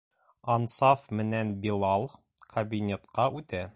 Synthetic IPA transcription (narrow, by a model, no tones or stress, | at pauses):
ɐnsɑfmɘ̆nænbilˠɑlˠ | kʰɐbʲinʲet̪qɑʔʉt̪æ